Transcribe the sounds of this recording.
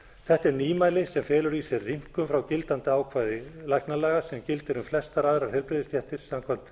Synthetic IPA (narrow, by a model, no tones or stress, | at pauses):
θɛht̪ɛɾniːmaːjlɪsɛmfɛːlʏɾisɛrrim̥kʏmfɾawcɪlt̪ant̪ɪaːwkʰvaːjðɪlajhknalɛːɣasɛmcɪlt̪ɪɾʏmflɛst̪aɾaːðɪɾaɾ̥hɛlpɾɪðɪst̪jɛht̪ɪɾ̥samkʰɔlt̪